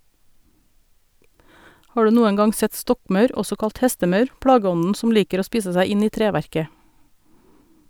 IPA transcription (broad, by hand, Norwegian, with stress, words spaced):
ˈhɑː ˈɖʉː ˈnuːən ˈɡɑŋ ˈsɛt ˈstɔkˌmɑʉɾ ˈɔsɔ ˈkɑlt ˈhɛstəˌmɑʉɾ ˈpɽɑːˌɡɔnn̩ ˈsʊm ˈliːkəɾ ˈoː ˈspiːsə ˈsæɪ ˈɪn ˈiː ˈtɾeːʋæɾkə